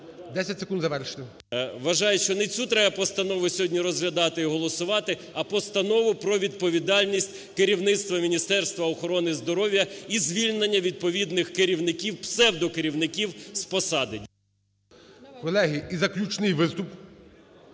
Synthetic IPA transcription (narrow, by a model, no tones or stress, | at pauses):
d̪ɛsʲɐtʲsekund̪zɐʋɛrʃɪ̥t̪ɪ | ʋɐʒɑjɛʃt͡ʃɔnɛt͡sʲut̪ɾɛjɐpɔst̪ɐnɔʋʊsʲɔɦɔdʲnʲiɾɔzɦlʲɐd̪ɑt̪ɪiɦɔlˠɔsʊʋɑt̪ɪ | ɐpɔst̪ɐnɔʋʊpɾɔʋʲid̪̚pɔʋʲid̪ɑlʲnʲisʲtʲ | keɾʲiwnɪt̪st̪ʋɐmʲinʲist̪ɛrst̪ʋɐɔxɔɾɔnɪzd̪ɔɾɔwʲjɐizʲʋʲilʲnenʲːɐʋʲid̪̚pɔʋʲid̪nɪxkeɾʲiwnɪkʲiwpsɛwd̪ɔkeɾʲiwnɪkʲiwspɔsɑd̪ɪ | kɔlˠɛɦiizɐklʲut͡ʃnɪjʋɪst̪ʊp